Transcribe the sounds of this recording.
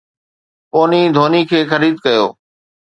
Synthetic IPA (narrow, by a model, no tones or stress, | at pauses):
poːnid̪ʱoːnikʰeːxəɾiːd̪̚kɐjo̰ː